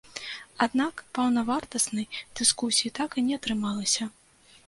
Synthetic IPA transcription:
ad̪nakpɐwnɐvart̪ɐsnɐjd̪̥ɨskusʲijit̪akɨnʲɛɐt̪ɾɨmalˠɐsʲɐ

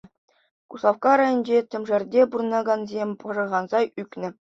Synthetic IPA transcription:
kusˠɑfkɑɾɑjɤ̆nʲd͡ʑet̪ʲɘ̆mʐɘ̆rʲdʲeburnɑɡɑnzʲemʲpɤ̆ʐɤ̆ʁɑnzɑjyknʲɘ̆

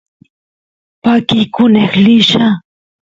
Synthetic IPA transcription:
pakikʊneχlɪʃa

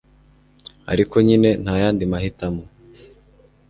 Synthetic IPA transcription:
a̰ɾiko̞ɲine̞n̥haːjaːndimaɦitamo

